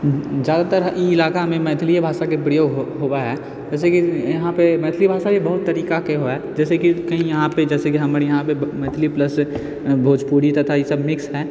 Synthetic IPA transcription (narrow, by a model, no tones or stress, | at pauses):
zjaːd̪at̪əɾiɪlaːkamẽmɛːt̪ʰlijebʱaːʃakepɾijoːɡɦɦoːwaɦɛː | d͡ʒɛːs̬ekijɐɦãpemɛːt̪ʰlibʱaːʃajebəɦʊt̪ːɐɾiːkakeɦoaɦɛd͡ʒɛːsekikɐɦĩjɐɦãped͡ʒɛːsekiɦɐmɾjɐɦãpemɛ̃ːt̪ʰliplɐs | bʱoːd͡ʒpuːɽit̪ɐt̪ʰajesɐbmɪksɦɛː